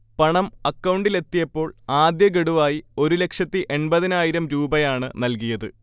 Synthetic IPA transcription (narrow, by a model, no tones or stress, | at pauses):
pɐɳɐmɐkːɐwɳɖile̞t̪ːijɐpːo̞ːɭaːd̪jɐɡe̞ɽuʋaːjio̞ɾule̞kʂɐt̪ːiʔe̞ɳbɐðinaːjiɾɐmɾuːbɐjaːɳɨnɐlkijɐðɨ